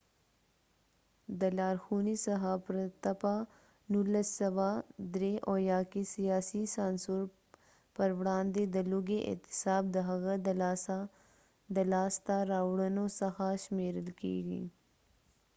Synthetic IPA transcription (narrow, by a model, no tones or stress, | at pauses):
d̪əlaːɾxuːnisɐɦapɾət̪ɐpa | nuləsːɐwad̪ɾeʔoːjaːkisijaːsisaːnsuɾ | pɐɾʋɽãːnd̪ed̪əluɡeʔɪ̰t̪ɪ̥saːb̚d̪əɦɐɣəd̪l | d̪əlaːst̪aɾaːwɽənosɐxaʃmeːɾəlkḭːɡḭ